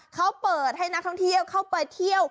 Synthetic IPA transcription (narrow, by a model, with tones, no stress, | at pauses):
kʰa˦˥wpɤː˨˩t̪̚ha˥˩jn˦˥k̪̚ʰɔ˥˩ŋt̪ʰi˥˩əwkʰa˥˩wpɤː˨˩t̪ʰːi˥˩əw